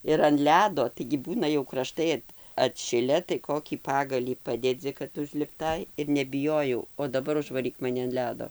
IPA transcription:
ɪr ɐn ˈlʲæːdoː tɐɪɡʲɪ ˈbuːnɐ jɛʊ krɐˈʃtɐɪ ɐt ɐtʲˈʃʲɪlʲɛ tɐɪ ˈkoːkʲiː ˈpɑːɡɐlʲiː ˈpɑːdʲɛd͡zʲɪ kɐt ʊʒʲlʲɪpˈtɐɪ ɪr nʲɛbʲɪˈjoːjɛʊ oː dɐˈbɐr ʊʒʋɐˈrʲiːk mɐˈnʲɪ ɐn ˈlʲæːdoː

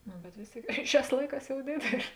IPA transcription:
nʊ bʲɛt ˈʋʲeːs ˌtʲeːɪk ˈʃʲæːs ˈlˠɐɪˌkɑːs jɛʊ ˈdʲeːdʲeːlʲeː

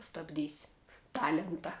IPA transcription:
stɐbʲˈdʲiːsʲ ˈtɑːlʲɛntɐ

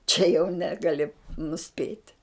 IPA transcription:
t͡ʃʲɛ jɛʊ ˈnʲæːɡɐlʲɪ nʊˈsʲpʲeːtʲɪ

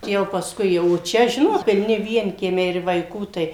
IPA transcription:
jɛʊ pɐsˈkʊɪ jɛʊ oː ˈt͡ʃʲɛ ˈʒʲɪnoːt pʲɪlʲˈnʲɪ ˈʋʲiɛŋʲkʲiɛmʲɛɪ ɪr ʋɐɪˈkuː tɐɪ

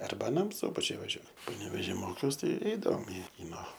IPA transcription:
ˈɐrbɐ ɐˈnɐm ˈsʊbɐt͡ʃʲʊj ʋɐˈʒʲuɔ pɐnʲɛʋʲɛˈʒʲiː ˈmoːkʲɛʊs ˈtɐɪ ˈɛɪdɐʋoːm ɪ ˈkʲiːnoː

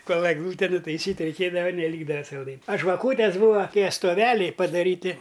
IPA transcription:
ˈkoːlˠ ɛɡˈlˠuːtʲɛ nʊtɐɪˈsʲiːtʲ rʲɛɪˈkʲeːdɐʋɐ nʲɛˈlʲiːɡdɐʋɐ sɐlˠˈdɐɪnʲ ɐ ʒʋɐˈkuːtʲeːs ˈbuːʋɐ ˈtʲiɛ stoːˈʋʲæːlʲɛɪ pɐdɐˈrʲiːtʲɪ

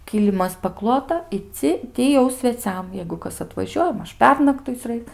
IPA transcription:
ˈkʲiːlʲɪmɐs pɐˈklˠoːtɐ ɪ ˈt͡sʲɪ ˈtʲɪ jɛʊ sʲʋʲɛˈt͡sʲɛm jɛɪɡʊ ˈkɐs ɐtʋɐˈʒʲuɔjɛ ˈmɐʃ ˈpʲɛrnɐktʊɪt͡sʲ ˈrɐɪk

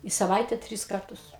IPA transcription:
ɪ sɐˈʋɐɪtʲɛ ˈtʲrʲɪs ˈkɐrtʊs

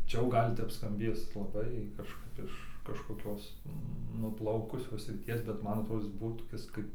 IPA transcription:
ˈt͡ʃʲɛ jɛʊ ˈɡɐlʲ ˈtʲɛp skɐmʲˈbʲeːs lˠɐˈbɐɪ kɐʃˈkɐp ɪʃ kɐʃkoːˈkʲoːs nʊˈplˠɐʊkʊsʲoːs sʲrʲɪˈtʲiɛs bʲɛt ˈmɐn ɐtˈroːdoː ˈɪs ˈbuɔ toːˈkʲɪs kɐɪp

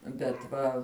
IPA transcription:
bʲɛt ˈʋɐ

